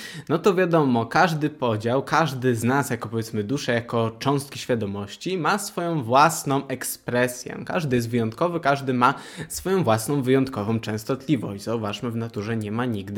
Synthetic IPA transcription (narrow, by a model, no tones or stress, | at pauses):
nɔt̪ɔvʲjad̪ɔmɔkaʐd̪ɘpɔd͡ʑawkaʐd̪ɘznasjakɔpɔvʲjɛt̪smɘd̪uʂɛjakɔt͡ʂɔ̃w̃st̪̚kʲiɕfʲjad̪ɔmɔɕt͡ɕimasfɔjɔ̃w̃vwasnɔ̃w̃ʔɛkspɾɛsʲjɛ̰ka̰ʐd̪ɘjɛst̪vɘjɔnt̪kɔvɘkaʐd̪ɘmasfɔjɔ̃w̃vwasnɔ̃w̃vɘjɔnt̪kɔvɔ̃w̃t͡ʂɛ̃w̃st̪ɔt̪lʲivɔ̰ɕd͡ʑzauvaʂmɘvnat̪uʐɛɲɛmaɲiɡd̪